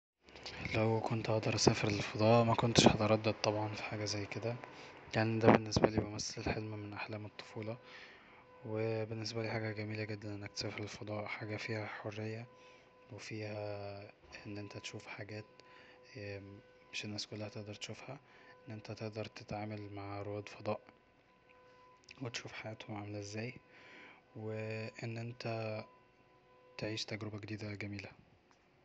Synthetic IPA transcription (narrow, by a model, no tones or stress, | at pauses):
læwkont̪ʔɑʔd̪ɑɾˤʔsæːfeɾelfɑd̪ˤɑːʔmækont̪eʃhæt̪eɾˤɑd̪ːed̪̚t̪ːˤɑbʕɑnfi̥ħaːɡæzæjːked̪æjaʕnid̪æbenːesbæliːbemæsːælelħelmæmenʔaħlæːmet̪ˤːo̥fuːlɑ | webenːes̬bæliːħaːɡæɡæmiːlæɡed̪ːænʔenːækt̪sæːfeɾelfɑd̪ˤɑːʔħaːɡæfiːhæħorːejːæ | wefiːhæ | ʔenːʔent̪æt̪ʃuːfħaɡæːt̪ | meʃenːæːskolːæhæt̪eʔd̪ɑɾˤt̪ʃuːfhæʔenːʔent̪æt̪eʔd̪ɑɾˤt̪et̪ʕaːmælmaʕɾowæːd̪fɑd̪ˤɑːʔ | wet̪ʃuːfħajæːt̪homʕamælæʔezːæːj | weʔenːʔent̪æ | t̪eʕiːʃt̪æɡɾebæɡed̪iːd̪æɡæmiːlæ